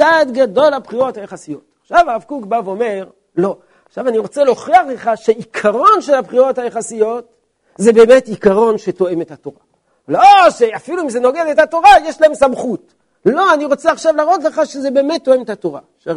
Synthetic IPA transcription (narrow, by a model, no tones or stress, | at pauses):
t͡sad̪ɡado̞lhabχiʁo̞thajeχasijo̞taχʃavaʁavkukbavome̞ʁ | lo̞ | aχʃavaniʁo̞t͡selo̞χiaχle̞χaʃeikʰaʁo̞nʃe̞lapχio̞thajeχasijo̞t | zebe̞ːme̞tikaʁo̞nʃe̞to̞e̞me̞thato̞ʁa | loʃe̞afiluimzeno̞ɡed̪e̞t̪hato̞ʁajeʃlae̞msamχut | lo̞aniʁo̞t͡seaχʃavlaːʁo̞t̪leχaʃezebeːme̞t̪ːo̞emetato̞ʁa̰ | ʃe